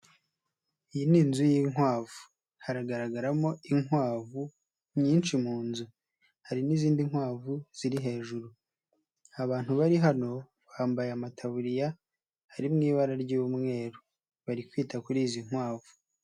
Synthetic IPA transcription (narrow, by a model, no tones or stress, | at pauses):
ijininzujiːŋwaːvu | haɾaɡaɾaɡaɾamo̞iŋwaːvu | ɲiːnʃimuːnzu | haɾiniziːndiŋ̥hwaːvuz̥iɾiɦe̞ːʒuɾu | aβaːn̥huβaɾiɦano̞ | βaːmbajeamatʰaβuɾija | haɾimŋiːβaɾaɾɟuːwumŋe̞ːɾu | βaɾikwiːtakuɾiːziŋ̥waːvu̥